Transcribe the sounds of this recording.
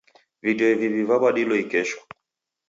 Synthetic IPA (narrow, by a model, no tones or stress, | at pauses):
viɗɔivivivaɓaɗilɔikɛʃɔ̥